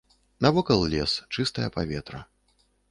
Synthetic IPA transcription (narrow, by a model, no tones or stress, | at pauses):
nɐvɔkɐlˠlʲɛst͡ʂɨst̪ɐjɐpavʲɛt̪ɾɐ